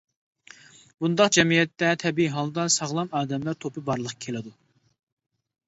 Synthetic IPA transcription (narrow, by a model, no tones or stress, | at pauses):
b̥und̪ɑqd͡ʒɛmijɛt̪ːɛt̪ʰɛbiiɦɑlˠd̪ɑsɑʁlˠɑmɑːd̪ɛmlæɾt̪ʰopɨbɑɾlˠəqkʲʰelɪd̪u